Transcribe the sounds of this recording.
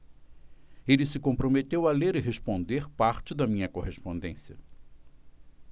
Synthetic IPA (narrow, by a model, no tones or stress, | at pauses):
elɪsɪkõpɾomet̪ewɐleɾɪɦespõnd̪eɾpaɾt͡ʃɪd̪ɐmĩɲɐkoɦespõnd̪ẽsiɐ